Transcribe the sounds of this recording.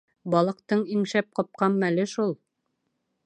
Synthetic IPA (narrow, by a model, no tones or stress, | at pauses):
bɒlˠɤ̆qt̪ɤɴiŋʃæp̚qɑp̚qɑmːælɘʃulˠ